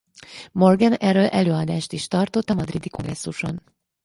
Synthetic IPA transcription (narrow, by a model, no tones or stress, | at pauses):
mo̞rɡɛnɛrːøːlʔɛløːɒd̪aːʃt̪iʃt̪ɒrt̪o̞t̪ːɒmɒd̪rid̪iko̞ŋɡrɛsːuʃo̞̰n